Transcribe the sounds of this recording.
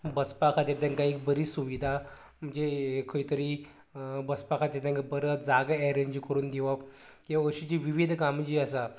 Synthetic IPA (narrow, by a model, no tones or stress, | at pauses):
bəspakʰat̪eɾt̪ãŋkaikbəɾiːsuʋid̪ʱa | m̤əɳd͡zekʰəit̪əɾiː | bəspakʰat̪at̪jãŋkabəɾəd͡zaɡɛɾə̃nt͡ɕikəɾuːnd̪iʋap | kəɕit͡ɕiːʋiʋid̪ʱkamt͡ɕiːəsa